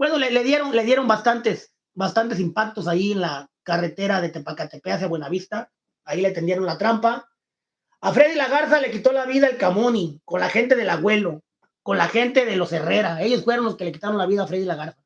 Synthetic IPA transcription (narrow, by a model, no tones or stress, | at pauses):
bwe̞no̞leleðje̞ɾo̞nle̞ðje̞ɾo̞mbast̪ant̪e̞s | bast̪ant̪e̞simpak̚t̪o̞sajienlakare̞t̪e̞ɾaðe̞t̪epakat̪epeas̬jaβwenaβist̪aː | ilet̪end̪je̞ɾo̞nlat̪ɾampa | afɾe̞ðilaɣaɾθalekit̪o̞laβiðaelkamoniko̞nlaxe̞nt̪e̞ðe̞laɣwe̞lo̞ | ko̞nlaxe̞nt̪e̞ðelo̞se̞re̞ɾae̞ʝo̞sfweɾonlo̞ske̞leki̥t̪aɾo̞nlaβiðaːfɾe̞ðilaɣaɾθa